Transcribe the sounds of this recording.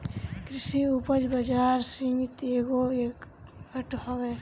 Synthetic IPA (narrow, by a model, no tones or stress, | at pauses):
kɾɪsiupəd͡ʒbɐd͡ʒaːɾsiŋt̪eːɡoekː | əʈɦəʋe